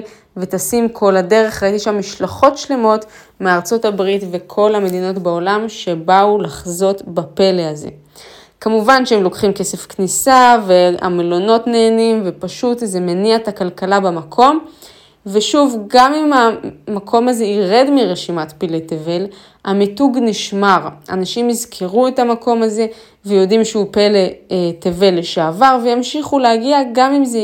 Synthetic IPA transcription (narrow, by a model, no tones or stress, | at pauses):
vet̪asimkʰo̞lade̞ʁe̞χʁaitiʃamːiʃlaχo̞tʃle̞mo̞t | meaʁt͡so̞tabʁitvekʰo̞lhame̞d̪ino̞tbao̞lamʃe̞baulaχzo̞tbape̞leaze̞̰ | kamuvanʃeemlo̞kχimke̞se̞fknisavea̰melo̞no̞tne̞ːnimve̞paʃutzemeniatakalkalabamakʰo̞m | veʃuvɡamimamakʰo̞maze̞iʁe̞dmiʁeʃimatpileteve̞l | hamituɡniʃmaʁa̰naʃimizkʰeʁuetamako̞maze̞ | vejo̞dimʃeupeleteve̞leʃeavaʁvejamʃiχuleaɡiaɡamimze